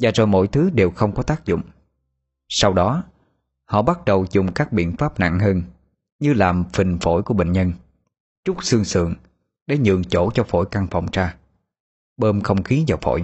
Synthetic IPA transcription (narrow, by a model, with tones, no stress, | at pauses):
zaː˨˩zo˨˩jmo̰˧˥˨jt̪ʰɨ˨˦ɗe˨˩wxə˧wŋ͡mkɔ˨˦t̪aː˦˥k̚zʊ̰˧˨ŋ͡m | sa˧wɗɔ˨˦ | hɔ̰˧˨ɓa˦˥t̚ɗə˨˩wzʊ˨˩ŋ͡mkaː˦˥k̚ɓḭ˧˨ənfaː˦˥p̚na̰˧˨ŋɦəː˧n | ɲɨ˧laː˨˩mfï˨˩ŋfo̰˧˩jku˧˩əɓḛ˧˨˩nɲə˧n | t͡ɕʊ˦˥t̚sɨ˧ŋsɨ̰˧˨əŋ | ɗe˧˩˦ɲɨ̰˧˨əŋt͡ɕo˧˩t͡ɕɔ˧fo̰˧˩jka˧ŋfɔ̰˨˩wŋ͡mt͡ɕaː˧ | ɓəː˧mxə˧wŋ͡mxi˨˦zaː˨˩wfo̰˧˨j